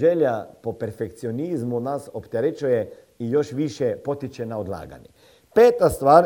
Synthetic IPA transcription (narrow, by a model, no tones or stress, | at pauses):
ʒeljapopeɾfekt̪sioniːzmunasopt̪eɾet͡ʃuje | ijo̞ʃʋiʃepo̞t̪it͡ʃɛnaod̪lˠa̰ːɡa̰ɲe | peːt̪ast̪ʋaːɾ